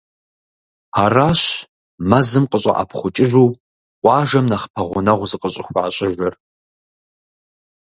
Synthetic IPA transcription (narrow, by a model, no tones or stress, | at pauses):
araːɕ | mɐzɨmqʼəɕʼɐ̰ʔa̰pʰχʷʊt͡ʃʼɪʒuː | qʷʼɑːʒɐmnɐχpʰɐʁʷʊnɐʁʷʊzɨqʼəɕʼɪxʷaːɕʼɪʒɐr